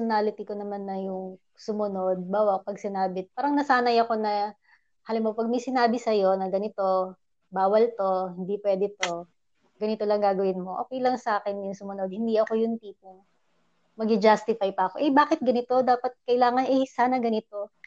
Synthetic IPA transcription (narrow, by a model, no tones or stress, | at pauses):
ʊnaːlɪt̪ɪkonɐmanːɐjʊŋ | sʊmʊno̞d̪̚baːwɐpɐɡsɪnaːbɪpaːɾɐŋnɐsaːnɐjɐko̞nɐ | haːlɪmːopɐɡ̚mɐjsɪnaːbɪsɐjo̞nɐɡɐnɪt̪o̞ | baːwɐlt̪o̞hɪnd̪ipwɛːd̪ɛt̪o̞ | ɡɐnɪt̪o̞lɐŋɡaːɡɐwɪnmo̞ʔo̰ːkɛjlɐŋsɐʔaːkɛnjʊŋsʊmʊno̞d̪̚hɪnd̪iɐko̞jʊŋt̪iːpʊŋ | mɐɡɪd͡ʒast̪ɪfajpɐɐko̞ʔɛbaːkɪt̪̚ɡɐnɪt̪o̞d̪aːpɐt̪̚kɐʔɪlaːŋɐnʔɛjsaːnɐɡɐnɪt̪o̞